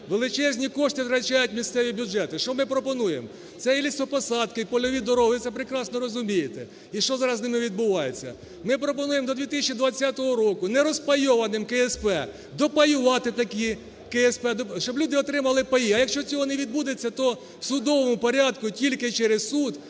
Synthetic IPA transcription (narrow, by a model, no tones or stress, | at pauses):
ʋelˠɪt͡ʃɛzʲnʲikɔʂt̪ɪt̪ɾɐt͡ʃajʊtʲmʲist̪sɛʋʲibʲjʊʒɛt̪ɪʃt͡ʃɔmɪpɾɔpɔnujem | t̪sɛjilʲist̪ʋɔpɔsɑd̪kɪpɔlʲɔʋʲid̪ɔɾɔʋɪt̪sɛpɾekɾɑsnɔɾɔzʊmʲijet̪ɛ | iʃt͡ʃɔzɑɾɐznɪmɪʋʲid̪̚bʊʋɑjet͡sʲːɐ̰ | mɪpɾɔpɔnujemd̪ɔd̪ʋʲit̪ɪsʲt͡ʃid̪ʋɐt͡sʲːat̪ɔɦɔɾɔkʊnɛɾɔspɐjɔʋɐnɪmkɛespɛ | d̪ɔpɐjʊʋɑt̪ɪt̪ɐkʲi | keɛspɛd̪ʃt͡ʃɔblʲud̪ɪɔt̪ɾɪmɐlˠɪpɐjiɐjɐkʃt͡ʃɔt͡sʲɔɦɔneʋʲid̪̚bud̪et͡sʲːɐt̪ɔ | wsʊd̪ɔʋɔmʊpɔɾʲɑd̪kʊtʲilʲkɪt͡ʃɛɾɪssud̪